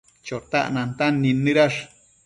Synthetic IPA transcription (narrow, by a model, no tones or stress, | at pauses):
t͡ʃot̪a̰ʔnant̪anːinːɨɾaʂ